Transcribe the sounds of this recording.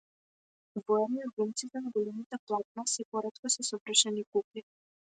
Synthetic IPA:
vɔɛniɾɡumt̪sit̪ɛnaɡɔlɛmit̪ɛplˠat̪̚nasɛpɔɾɛt̪kɔsɛsɔvr̩ʃɛnikupi

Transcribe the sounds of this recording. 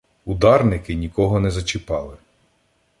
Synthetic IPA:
ud̪ɑrnɪkɪnʲikɔɦɔnɛzɐt͡ʃɪpɑlˠɪ

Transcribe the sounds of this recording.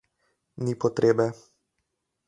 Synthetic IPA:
nipɔt̪ɾʔeːbɛ

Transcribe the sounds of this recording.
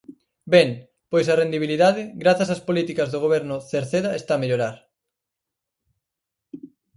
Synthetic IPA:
beŋ | pojsɐrend̪iβ̞iliðaðɪɣɾaθɐsaspolit̪ikɐzðoɣ̞oβ̞ɛɾnʊθeɾθeðɐest̪ameʎoɾaɾ

